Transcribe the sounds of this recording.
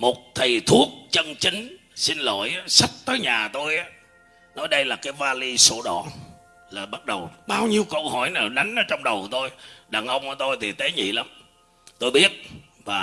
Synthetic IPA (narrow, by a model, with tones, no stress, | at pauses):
mo˨˩t̚t̪ʰi˨˩t̪ʰu˦˥ək̚t͡ɕə˧ŋt͡ɕï˨˦ŋ̟ | si˧nlo̰˧˨jʔaː˨˦sa˦˥t̚t̪əː˨˦jɲaː˨˩t̪o˧jʔaː˨˦ | nɔ˨˦jɗə˧jlaː˨˩kaː˨˦jvaː˧li˧so˧˦ɗɔ̰˧˨ | laː˨˩ɓa˦˥t̚ɗə˨˩wɓaː˧wɲi˧əwkə˧whɔ˧˩jnaː˨˩ɗa˨˦jŋ̟ʔɔ˨˦t͡ɕɔ˧wŋ͡mɗə˨˩wt̪o˧jɗaː˨˩ŋʔə˧wŋ͡mʔaː˧˩˦t̪o˧jt̪ʰi˨˩t̪e˨˦ɲḭ˧˨la˨˦m | t̪o˧jɓi˦˥ət̚ | vaː˨˩